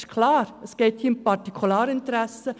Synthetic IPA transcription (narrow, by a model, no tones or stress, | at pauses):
ʃkʰlɑːɾəsɡ̥eːthiːʊmpɑɾtikʰulɑːɾɪnt̪ɾæsə